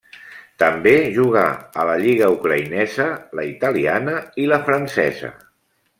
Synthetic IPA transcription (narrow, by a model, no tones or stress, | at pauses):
t̪əmbeʒuɣ̞a̰ələʎiɣəukɾəinɛzələit̪əlianəiləfɾənsɛ̰zə̰